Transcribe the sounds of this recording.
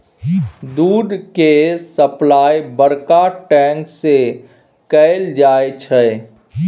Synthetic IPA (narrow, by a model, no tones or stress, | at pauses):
d̪uːd̪kesəplaːjbəɾkaʈɛ̃ːŋkse | kəɪld͡ʒaːet͡ʃʰɛ